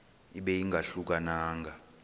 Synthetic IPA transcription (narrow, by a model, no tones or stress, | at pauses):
iɓɛjiŋɡʱaɬuk̬anaːŋɡʱa